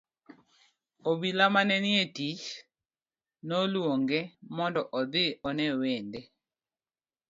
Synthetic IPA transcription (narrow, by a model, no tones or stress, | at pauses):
obilamanɛnɪetit͡ʃ | nolwoŋɡemɔndɔʔɔd̪ɪɔnɛwende